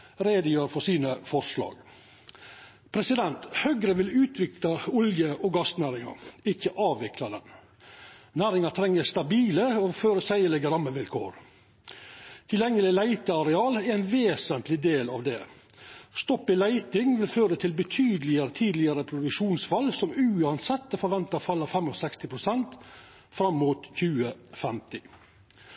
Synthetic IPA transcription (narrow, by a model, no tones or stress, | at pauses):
ɾeːd̪əjøːɾfɔsiːnəfɔʂlɑ̰ːɡ | pʰɾɛsɪd̪ɛnt̪hœɡɾəʋɪlʉːt̪ʰʋɪklɑʊljəʔɔɡɑst̪næːɾɪŋɑ̰ɾɪçəʔɑːʋɪklɑd̪ɛ̰n | næːɾɪŋɑt̪ʰɾɛŋːəst̪ɑbiːləoføːɾəsæɪəlɛɡəɾɑmːəʋɪlkʰo̰ːɾ | t̪ʰɪljɛŋːəlɪlæɪt̪əɑɾɛɑːlɛɾɛɪnʋeːsənt̪lɪd̪eːlɑʋd̪ɛ | st̪ɔpːɪlæɪt̪ɪŋʋɪlføːɾət̪ʰɪlbət̪ʰyːd̪əlɪəɾət̪ʰiːd̪əlɪəɾəpʰɾʊd̪ʉkʃʂuːnsfɑlːsɔmʉːɑnsɛt̪ːəfɔɾʋɛnt̪ɑfɑlːɑfɛmɔsɛkst̪ɪpʰɾʊsɛnt̪ | fɾɑmːuːt̪çʉːəfɛmt̪ɪ